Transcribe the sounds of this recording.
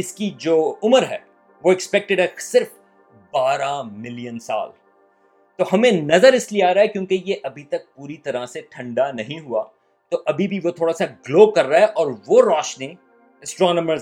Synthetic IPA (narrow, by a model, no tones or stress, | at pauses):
ɪskid͡ʒoːʊməɾɦɛ̰ː | ʋoɛkspɛk̚ʈɪɖɦɛsɪɾf | baːɾamɪlijənsa̰ːl | t̪oːɦɐmẽnɐzəɾɪslieaːɾaɦɛkjõːkejeʔɐbʱit̪ɐk̚puːɾit̪ɐɾaseʈʰɐ̃ɳɖanɐɦĩɦuaː | t̪oːʔɐbʱibʱiʋot̪ʰoːɽasaɡloːkɐɾːaːɦɛʔɔːɾʋoɾaːʃni | ɛsʈɾɔːnəməɾ